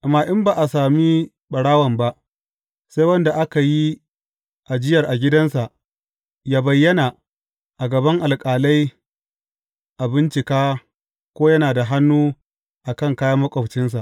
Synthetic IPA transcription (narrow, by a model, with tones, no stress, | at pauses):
ʔmaː˨ʔɪ˦mbaː˨ʔa˨saː˨mi˦ | ɓɐ˨ɽaː˦wɐ˨mba˦ʔ | sa˦jwɐ˦nda˨ʔa˦ka˨ji˦ | ʔa˨d͡ʒɪ˦jɐ˨rʔa˨ɡʲɪ˦dɐ˦nsa˨ʔ | jaː˦bɐ˨jːɐ˦na˨ | ʔa˨ɡɐ˨bɐ˦ŋʔa˨lkʼaː˨la˦j | ʔa˨bɪ˦nt͡ʃɪ˨kaː˦ | kʷoː˦jɐ˦naː˨da˨ɦa˦nːuː˦ | ʔa˨kɐ˦˨ŋkaː˦jɐ˦mːɐ˦kʷʼɐ˨bt͡ʃɪ˦nsa˨ʔ